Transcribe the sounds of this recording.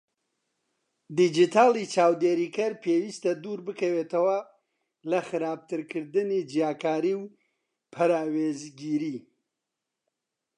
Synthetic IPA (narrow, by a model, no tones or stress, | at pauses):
d̪id͡ʒit̪ʰaːlˠit͡ʃaːwd̪eːɾiːkɐɾpʰewist̪ɐd̪uːɾbɨkɐweːt̪ʰɐwɐ | lɐxɨɾaːb̚t̪ʰɨɾkʰɨɾd̪ɨnid͡ʒijaːkaːɾiːw | pʰɐɾaːwezɡiːɾi